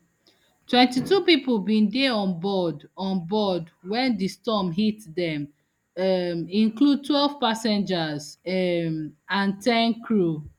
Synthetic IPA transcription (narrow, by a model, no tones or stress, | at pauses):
twɛ̃ntitupipolbĩndeɔ̃nbɔdɔ̃nbɔdwɛ̃ndistɔmɦitdɛ̃m | mĩnklud̚twɛlv̥pasɛ̃nd͡ʒazmãntɛ̃nkʰɹu